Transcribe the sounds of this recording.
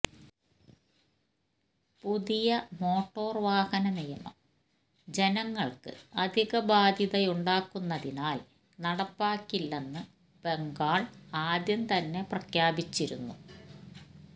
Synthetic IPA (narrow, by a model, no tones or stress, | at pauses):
puðijɐmo̞ːʈːo̞ːrʋaːhɐnɐnijɐɳɐ̰m | d͡ʑe̞nɐŋːɐɭkɨ̰ɐd̪ʱiɣɐbaːd̪ʱjɐðɐjuɳɖaːkːunːɐðinaːl | nɐɽɐpːaːkːilːenːɨ | b̥e̞ŋɡaːɭaːd̪jɐnt̪ɐnːe̞prɐkʰjaːbit͡ɕːiɾunːu